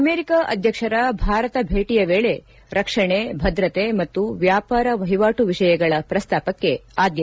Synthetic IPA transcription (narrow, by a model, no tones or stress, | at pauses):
ɐmeːɾikaʔɐd̪ʱjɐkʂɐɾɐbʱaːɾɐt̪ɐbʱeːʈijɐʋeːɭe̞ | ɾɐkʂɐɳebʱɐd̪ɾɐt̪emɐt̪ːuʋjaːpaːɾɐʋɐɦiʋaːʈuʋiʂɐjɐɡɐɭɐpɾɐst̪aːpɐkːe̞aːd̪jɐ